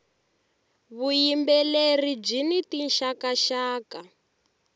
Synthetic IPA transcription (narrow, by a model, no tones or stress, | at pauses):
βujimbɛlerid͡ʒinitinʃakaʃaːka